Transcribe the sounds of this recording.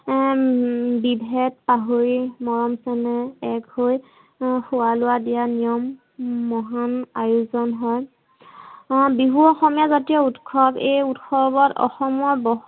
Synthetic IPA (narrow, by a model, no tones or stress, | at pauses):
bibʱɛt̚paɦoɹimɔɹɔmsɛnɛɛkhoj | xʊwalʊwadijanijɔmː | ɔɦanajuzɔnɦɔj | biɦuɔxɔmijazatijɔutkʰɔbejutxʰɔbɔtɔ̰xɔmɔɹbɔ